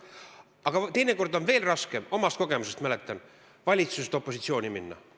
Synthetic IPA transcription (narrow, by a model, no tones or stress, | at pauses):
ɑɡ̥ɑt̪e̞jne̞ko̞rd̪o̞nve̞ːlrɑske̞mo̞mɑst̪̚ko̞ɡe̞muse̞st̪mælet̪ːˑɑn | vɑlʲit̪suset̪o̞pːˑo̞sit̪sio̞ːnʲiminːɑ̰